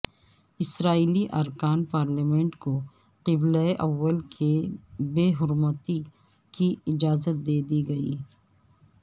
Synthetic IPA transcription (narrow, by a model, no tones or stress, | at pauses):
ɪsɾaːiːliʔɐɾkaːnpaːɾlimɛ̃ɳʈko | qɪblaeʔɐʋːəlkʰebeːɦʊɾmət̪i | kiɪd͡ʒaːzət̪̚d̪eːd̪iɡɐḭː